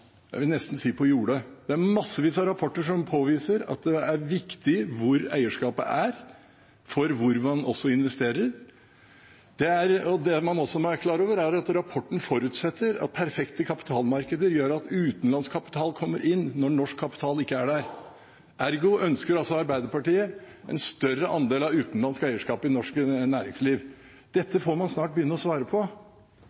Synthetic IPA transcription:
jæɪʋɪlnɛst̪n̩siːpʰɔjuːɽəd̪ɛæɾmɑsːəʋiːsɑɾɑpʰɔʈːəʂɔmpʰoːʋiːsəɾɑ̰t̪̚d̪ɛæɾʋɪkt̪ɪʋʊɾæ̰ɪəʂkɑːpə̰ʔæɾ | fɔɾʋʊɾdɑnɔsːɔɪnʋɛst̪eːɾəɾ | d̪̥ɛæɾɔd̪ɛmɑnɔsːɔmɔæɾkʰlɑːɾoːʋəɾæɾɑt̪ɾɑpʰɔʈːɳn̩fɔɾʉːt̪sɛt̪ʰːəɾɑ̰t̪̚pʰæɾfɛkt̪əkʰɑpɪ̥t̪ʰɑːlmɑɾkəd̪əɾjøːɾɑt̪ʉːt̪n̩lɑnskʰɑpɪ̥t̪ʰɑːlkʰɔmːəɾʔɪnːɔɳɔʂkʰːɑpɪt̪ʰɑːlɪkːəæɖæɾ | ʔæɾɡʊʔœnskəɾɑlsɔɑɾbæɪd̪əɾpɑʈiːə | ʔɛ̰nst̪œrəʔɑnd̪eːlɑʉːt̪nlɑnskæɪəʂkɑːpɪnɔʂknæːɾɪŋsliːʋ | d̪̥ɛt̪ːəfomɑnsnɑːʈ̚bəjʏnːəɔsʋɑːɾəpʰɔ

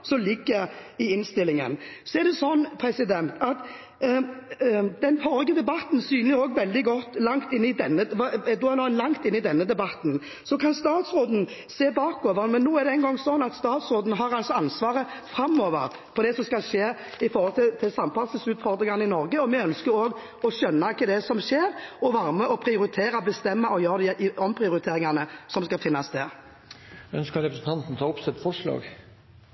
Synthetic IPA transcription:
sɔlɪɡːəɾɪɪnst̪ɪlːɪŋə̰nsɔɛɾd̪ɛsɔnːpʰɾɛsɪd̪ɛnt̪ʰɑt̪ | d̪ɛnfɔɾɪɡəd̪ɛbɑt̪n̩syːnəʁoːɡʋɛld̪ɪɡɔt̪ːlɑŋt̪ɪnːɪd̪ɛnːəɑd̪uɑnɔnlɑŋt̪ɪnːɪd̪ɛnːəd̪ɛbɑt̪n̩ | sɔkʰɑnst̪ɑːt̪sɾoːd̪n̩ | seːbɑːkoːʋəɾənmɛnːuːɛʁd̪ɛɛnɡɔŋsɔnɑt̪st̪ɑːt̪sʁoːd̪n̩ɦɑɾɑlt̪sɔɑnsʋɑːʁə | fɾɑmːoːʋə̰ɾ | pʰɔd̪ɛsɔmskɑlʂeː | ɪfɔɾhɔlt̪ʰɪt̪ʰɪlsɑmpɑlsəsʉːt̪fɔʁd̪ɾɪŋɑnɪnɔɾɡəɔmɛœnskəɾoːɡ | ɔɕœnːɑkʰəd̪ɛsɔmʃeːɾɔʋɑɾməʔɔpʰɾɪʊɾɪt̪ʰeːɾɑbəst̪ɛmːəʔɔjøːɾd̪ɛʔɪɔmpʰɾɪʊɾɪt̪ʰeːɾɪŋɑnəsɔmskɑfɪnːɑsd̪ɛ | œ̰nskəɾɛpɾəsən̩t̪ɑnt̪n̩t̪ʰɑːʊpsɛt̪ːfɔʂɭɑ̰ːɡ

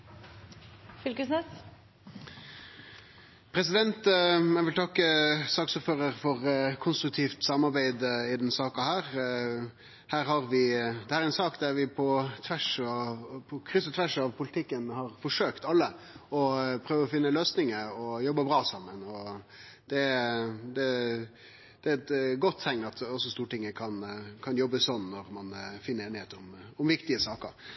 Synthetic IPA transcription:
fʏlkəsnɛs | pʰɾɛs̬ɪd̪ɛnt̪mɛʋɪlt̪ʰɑkːəsɑːksuːpføːʁəɾfɔʁkʰʊnst̪ɾʉk̚t̪ʰiːft̪sɑmːɑɾbæɪd̪ɪd̪ɛnsɑːkɑhæːʁ | hæːɾɦɑɾʋɪd̪ɛhæːɾɛnsɑːkd̪æɾʋɪpʰɔt̪ʰʋæʂɑpʰɔkʰɾʏsət̪ʰʋæʂɑʋpʰʊlɪt̪ʰɪkːənhɑɾfɔʂøːkt̪ɑlːə | ɔpʰɾøːʋəɔfɪnːəløːsnɪŋəɔjɔbːəbɾɑːsɑmːənɔ | d̪̥ɛd̪ɛ | d̪̥ɛæɛt̪ɡɔt̪ʰːɛŋɑt̪ɔsːɔst̪uːʈɪŋːəkʰɑnkʰɑnjɔbːəsɔnːɔɾmɑnfɪnːəɾeːnɪheːt̪əɔmʊmʋɪkt̪ɪəsɑːkə̰ɾ

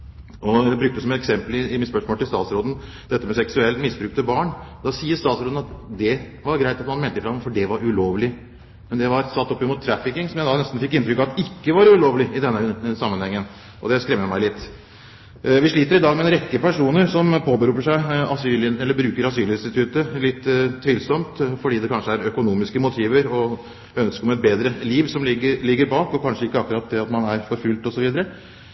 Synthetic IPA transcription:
ɔɛbɾʉk̚t̪əsɔmɛt̪ɛksɛmpəlɪɪmɪt̪spœʂmoːlt̪ɪlst̪ɑːt̪sɾoːd̪ən̩ | d̪̥ɛt̪ːəmɛsɛksʉɛlt̪mɪsbɾʉːkt̪əbɑːɳd̪ɑsiːəʂt̪ɑːt̪sɾoːd̪̩ɑt̪d̪ɛ | ʋɑɾɡɾæɪt̪ɑt̪mɑnmeːlt̪əɪfɾɑmfɔɖɛʋɑɾʉloːʋlɪ | mɛnd̪ɛʋɑɾsɑt̪ːɔpːɪmʊt̪ʰːɾæfɪkɪŋsɔmjæɪd̪ɑnɛst̪n̩fɪkːɪnt̪ɾʏkːɑʋɑt̪ɪkːəʋɑɾʉloːʋlɪɪd̪ɛnːəsɑmːənhɛŋːən | ʔɔd̪ɛskɾɛmːəmæɪlɪt̪ː | ʋɪʂɭiːt̪əɾɪd̪ɑːɡmɛɛnɾɛkːəpæʂuːnəɾsɔmpʰoːbəɾʉːpəʂæɪɑsyːlɪɛlːəɾbɾʉːkəɾɑsyːlɪnst̪ɪt̪ʰʉt̪əlɪt̪ʰːtʰːʋɪlsɔmt̪fɔɖiːd̪ɛkʰɑnʂəæɾœkʊnuːmɪskəmʊt̪ʰiːʋəɾɔ | œnskəmɑɛt̪̚beːd̪ɾəliːʋsɔmlɪɡːəlɪɡːəɾbɑːkɔkʰɑnʂəɪkːəɑkːʉɾɑt̪̚d̪ɛɑt̪mɑnæɾfɔɾfʉlt̪ɔsɔʋiːd̪əɾə

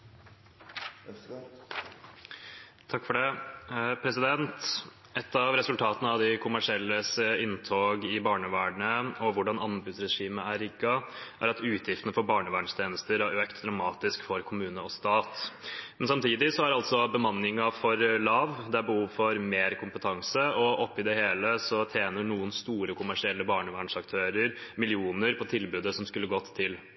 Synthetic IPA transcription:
t̪ʰɑkːfɔɖɛ | pʰɾɛsɪd̪ɛnt̪ | ɛt̪ːɑʋɾɛsʉlt̪ʰɑːt̪ənəɑʋd̪ɪkʰʊmæʂɪɛlːəsəɪnt̪ʰoːɡɪbɑːɳəʋæːɖɳəɔʋʊɖɑnɑnbʉd̪sɾɛʂiːməæɾɪɡːɑʔæ̰ɾɑt̪ʉːt̪jɪft̪nəfɔɾbɑːɳəʋæːɳst̪ʰeːnəst̪əɾæɾøːkt̪d̪ɾɑʊmɑːt̪ɪskfɔɾkʰʊmʉːnəɔst̪ɑːt̪mmɛnsɑmt̪ʰiːd̪ɪsɔæɾɑlt̪sɔbəmɑnːɪŋɑfɔɾlɑːʋd̪ɛæɾbəhuːʋfɔɾmeːɾkʰʊmpət̪ʰɑŋsəɔʔɔpːɪd̪ɛheːləsɔt̪ʰjeːnəɳuːənst̪uːɾəkʰʊmæʂɪɛlːəbɑːɳəʋæːɳʂɑkt̪ʰøːɾəɾmɪlɪuːnəɾpʰɔt̪ʰɪlbʉːd̪əsɔmskʉlːəɡɔt̪ʰːɪl

